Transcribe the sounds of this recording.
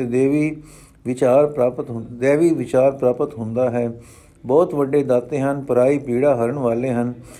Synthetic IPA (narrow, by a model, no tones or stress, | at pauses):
t̪eːd̪eːʋiː | ʋɪt͡ʃaːɾpɾaːpət̪ɦd̪eːʋiːʋɪt͡ʃaːɾpɾaːpət̪ɦʊ̃nd̪aːɦɛː | bɔːt̪ʋəɖeːd̪aːt̪ːeːɦənpəɾaːiːpiːɽaːɦəɾəɳʋaːleːɦən